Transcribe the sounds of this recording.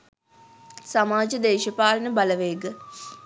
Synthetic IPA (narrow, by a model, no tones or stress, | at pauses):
samaːd͡ʒəd̪eːʃəpaːlənəbaləʋeːɡə